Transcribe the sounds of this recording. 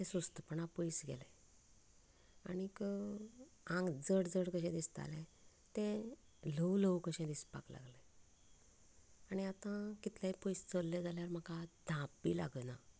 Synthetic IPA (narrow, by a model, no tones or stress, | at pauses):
ɛ̃sust̪əpəɳapəjsɡɛ̰lɛ̃ | a̰nikə | ãŋɡd͡zəɽd͡zəɽkəɕɛ̃d̪ist̪a̰lɛ̃ | t̪ɛ̃ | ləwləwkəɕɛ̃d̪ispa̰kla̰ɡle | añiat̪ãkit̪laipəjst͡səlːed͡zaljaɾm̤əkad̪ʱãpːila̰ɡəna